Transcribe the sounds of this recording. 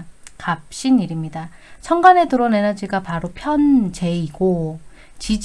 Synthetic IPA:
kap̚ɕ͈iniɾimɲida | t͡ɕʰʌŋɡane̞tɯɾʌne̞nʌd͡ʑiɡapaɾopʰjʌnt͡ɕe̞iɡ̥o | t͡ɕid͡ʑ

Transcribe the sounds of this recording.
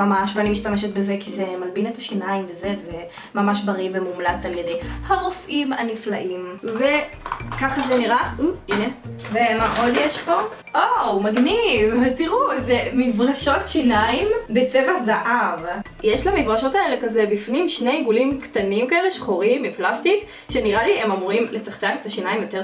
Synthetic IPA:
mamaʃveanimiʃt̪ameʃ̬et̪̚bezekizemalbinet̪aʃinaimvezeze | mamaʃbaʁivemumlat͡saljed̪ejhaʁofʔimaniflaʔimvekaχazeniʁauʔinevemaʔod̪jeʃpo̞ | ʔomaɡnivtiʁuzemifʁaʃo̞tʃinaimbet͡sevazaʔav | jeʃlamifʁaʃo̞taelekazebifnimʃne̞jɡulimkt̪animkaele̞ʃχoʁimbeplast̪ik | ʃeniʁaliemamuʁimletaχtanet̪aʃinaimjo̞teʁ

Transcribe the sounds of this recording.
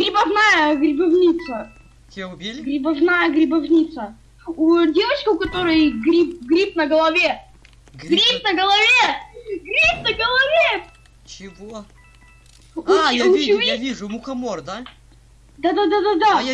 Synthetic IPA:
ɡɾʲɪbɐvnajəɡɾʲɪbɐvnʲit̪sə | tʲbʲelʲɡɾʲɪbɐvnajəɡɾʲɪbɐvnʲit̪sə | udʲe̞vət͡ɕkəʊkɐt̪o̞ɾɨjɡɾʲip̚ɡɾʲip̚nəɡəlˠɐvʲe | ɡɾʲip̚nəɡəlˠɐvʲeɡɾʲip̚nəɡəlˠɐvʲe | t͡ɕɪvo | ujʊt͡ʃvjavʲiʐʊmʊxɐmord̪a | d̪ad̪ad̪ad̪ad̪a

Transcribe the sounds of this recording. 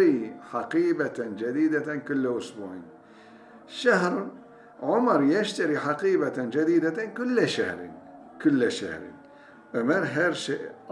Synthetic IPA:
ɾiħɑqiːbat̪ad͡ʒad̪iːd̪akʊlːaʔʊsbuʕḭn | ʃaɦɾ | ʕʊmɑɾˤjaʃt̪aɾiħɑqiːbaad͡ʒad̪iːd̪akʊlːaʃahɾ̰ | kʊlːaʃa̰hɾɪ̰n | ʔamanɦaɾʃeʔ

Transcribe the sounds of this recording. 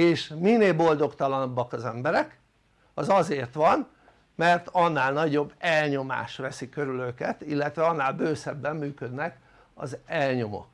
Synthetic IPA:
eːʃmineːlbo̞ld̪o̞kt̪ɒlɒnɒbːɒkɒzɛmbɛɾɛk | ɒzɒzeːrt̪ʋɒn | mɛrt̪ɒnːaːlnɒɟo̞bːɛlɲo̞ma̰ːʃʋɛsikøɾyløkɛt̪ilːɛt̪ʋɛɒnːaːlbøːsɛbːɛmːyːkø̞d̪nɛk | ɒ̰zɛlɲo̞mo̰

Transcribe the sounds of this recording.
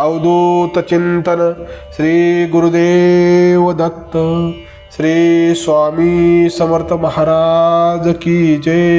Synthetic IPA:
awd̪ʱut̪ɐt͡ɕint̪ɐnɐɕɾiːɡuɾud̪eːʋəd̪ɐt̪ːə | ɕɾiːsʋamisɐməɾt̪ʰɐmɐɦaɾaːd͡zkid͡ʑe

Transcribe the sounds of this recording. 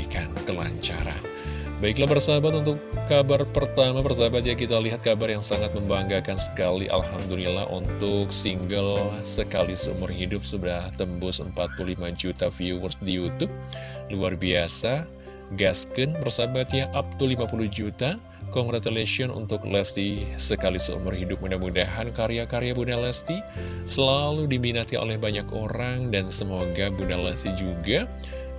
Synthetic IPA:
ikankəla̰ɲt͡ʃa̰ɾa̰n | baik̬labərsabat̪unt̪ʊkːabarpərt̪amabərsabat̪̚jakit̪aliɦat̪̚kabarjaŋsaŋat̪̚məmbaŋɡakansə̥kalḭʔa̰lhamd̪ulila̰ɦʔṵnt̪ʊksiŋɡəlsəkalisəṵmʊrhidʊp̚sudaht̪əmbʊsəmpat̪̚pululimad͡ʒut̪afiuwərsdijut̪ʊp̚luarbiasa | ɡaskənbərsabat̪jaʔap̚t̪ulimapuluhd͡ʒut̪a | kɔŋɡɾat̪eleʃiɔnṵnt̪ʊklɛst̪isəkalisəṵmʊrhidʊp̚mudahmudaɦankaɾijakaɾejabunalɛst̪i | səlaludiminat̪iʔo̰lɛhbaɲakoɾaŋdansəmoɡabunalɛ̰st̪id͡ʒuɡa

